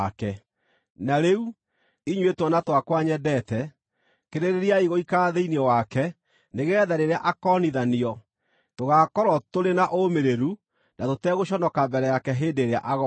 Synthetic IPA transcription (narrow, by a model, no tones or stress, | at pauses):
kɛ | naɾeu | iɲwetwɔnatwakwaɲɛdɛtɛ | keɾeɾeɾiaiɣoikaːðeinɔwakɛ | neɣɛːðaɾeɾeaʔakɔniðaniɔ | toɣaːkɔɾɔtoɾenaʔomeɾeɾu | natotɛɣoɕɔnɔkabɛɾɛjakɛɦeːndeɾea̰ʔaɣɔ